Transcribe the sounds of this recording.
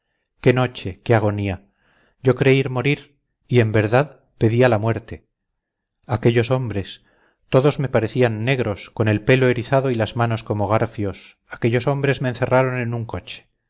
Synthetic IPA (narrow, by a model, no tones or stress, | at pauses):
ke̞no̞t͡ʃe̞keaɣ̞o̞nia | ɟ͡ʝo̞kɾe̞iɾmo̞ɾiɾ | ie̞mbe̞ɾðað | pe̞ðialamwe̞ɾt̪e̞ | ake̞ʎo̞so̞mbɾe̞s | t̪o̞ðo̞zme̞paɾe̞θianːe̞ɣɾo̞sko̞ne̞lpe̞lo̞e̞ɾiθaðo̞ilazmano̞sko̞mo̞ɣ̞aɾfjo̞s | ake̞ʎo̞so̞mbɾe̞zme̞ːnθe̞raɾone̞nuŋko̞t͡ʃe̥